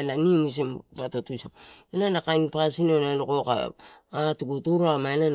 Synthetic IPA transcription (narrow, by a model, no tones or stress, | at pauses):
nanimus̬impatotusoenanakajnpasinonalokoka̰atuɡutuɾamanan